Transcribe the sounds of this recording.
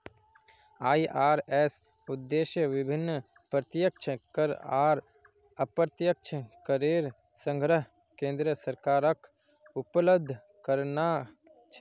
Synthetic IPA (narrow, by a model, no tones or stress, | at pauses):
aːiʔaːɾɛːs | ʊd̪ːeːʃjəʋɪbʱɪnː | pɾət̪jək̚t͡ʃʰəkəɾaːɾ | əpɾət̪jək̚t͡ʃʰəkəɾeːɾ | sə̃ŋɡɾəɦ | kẽːnd̪ɾəsəɾkaːɾək | ʊpələb̚d̪ʱː | kəɾna | t͡ʃʰ